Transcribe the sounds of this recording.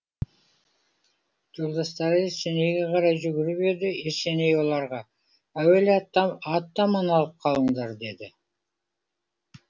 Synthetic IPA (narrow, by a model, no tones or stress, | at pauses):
ʒ̥olˠd̪ɑst̪ɑɾəeɾse̞ne̞jɡʲe̞qʰɑɾɑjʒʏɡʲɪɾɪbe̞d̪ɪeɾse̞ne̞jwo̞lˠɑɾʁɑ | æwelɑt̪ːɑɑt̪ːɑmɑnɑlˠəp̚qʰɑlˠəɴd̪ɑɾd̪e̞d̪ɪ